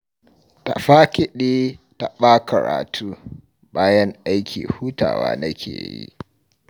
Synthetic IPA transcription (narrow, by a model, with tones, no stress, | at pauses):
ta˨ɸaː˦kʲɪ˦ɗeː˦ | ta˨ɓaː˦kɐ˨ɾa̰ː˨tʰuː˦ | baː˦jɐ˦ŋʔa˦jkʲḭː˨huː˦ta̰ː˨wa̰ː˦nɐ˦kʲʰḛː˨jḭ˦